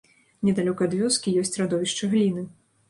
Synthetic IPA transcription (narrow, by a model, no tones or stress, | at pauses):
nʲɛd̪alʲɔkɐːd̪vʲɔskʲijɔsʲt͡sʲrad̪ɔvʲiʂt͡ʂɐɣlʲinɨ